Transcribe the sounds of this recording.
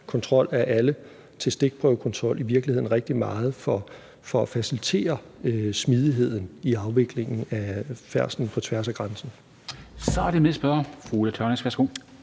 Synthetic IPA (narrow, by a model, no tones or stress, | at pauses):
kʰɒ̽nt͡sʰʁɒ̽l̰æɐʔælə | t͡sʰe̝lsd̥e̝ɡ̥̚pʰʁœʊkʰɒ̽nt͡sʰʁɒ̽l̰ʔiʋiɐɡ̥lihe̝ð̰ˠn̩ʁeɡ̥̚d̥imɑ̈ːð̞̩ˠfɒ | fɒæfæsilit͡sʰe̝̰ːɐ | øsmið̞ˠiɦe̝ð̞̰ˠn̩iɑ̈ʊʋe̝ɡ̥le̝ŋn̩æfæɐ̰sn̩pʰɒ̽t͡sʰʋæɐsæɡ̥ʁɑ̈nsn̩ | sɒæɐd̥emesb̥ɶɐfʁulæt͡sʰœɐnesɡʋæɐsɡ̥o̰ː